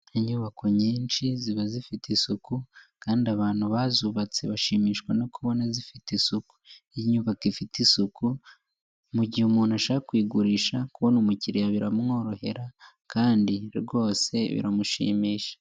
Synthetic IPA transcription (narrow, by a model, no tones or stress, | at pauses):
iɲuːβakʰoɲiːnt͡ʃiziβazifitisukukaːndiaβaːn̥huβazuːβat͡se̞βaʃiːmiːʃkwano̞kuβo̞nazifitisuku̥iɲuːβakifitisuku | muɟihumuːnuaʃaːkakwiːɡuɾiːʃakuβo̞numuciɾijaβiɾamŋo̞ːɾo̞he̞̰ɾa | kʰaːndiɾɡo̞ːse̞̰βḭɾamuʃḭːmiːʃḁ